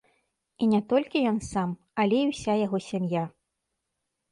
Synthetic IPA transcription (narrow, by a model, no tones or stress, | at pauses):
inʲɛt̪ɔlʲkʲijɔnsam | ɐlʲɛiwsʲajaɣɔsʲamja